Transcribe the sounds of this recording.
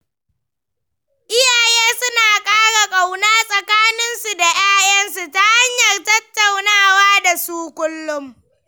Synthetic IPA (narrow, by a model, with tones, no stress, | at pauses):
ʔɪ˦jaː˨jeː˦sʊ˦naː˨kʼaː˦ɽa˨kʼa˨wnaː˦sʼɐ˨kaː˦nɪ˦nsu˨da˨jaː˦jɐ˦nsu˨ta˦ha˦ɲjɐ˨rtɐ˦tːa˨wnaː˦˨waː˦da˨suː˦kʷʼʊ˦lːʊ˦m